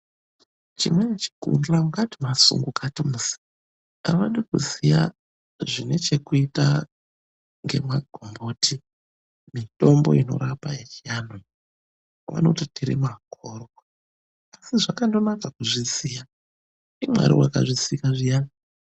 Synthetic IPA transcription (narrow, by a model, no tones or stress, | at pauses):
t͡ʃimwenet͡ʃi̥kṵndlamukatimasṵŋɡukatimusi̥ | aʋaɗikusija | ʐine̞t͡ʃe̞kuita | ŋɡe̞̰maɡʱombotʰi | mito̞mboino̞̰ɾapaet͡ʃiano | ʋa̰no̞tatiɾḭmakʰorow | asiʐakando̞nakakuʐisija | imwa̰ɾḭwakaʐisikaʐija